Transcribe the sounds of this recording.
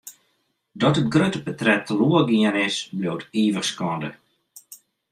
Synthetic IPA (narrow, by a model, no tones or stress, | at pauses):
dɔtət̚ɡrøtəpətrɛtʰːəluəɡiənɪsblowətiːʋəxskɔndə